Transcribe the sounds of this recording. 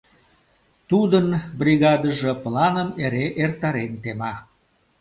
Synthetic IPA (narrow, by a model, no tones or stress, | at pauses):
t̪ud̪ənbriɣɑd̪əʒəplɑnəmeɾeʔert̪ɑɾent̪emɑ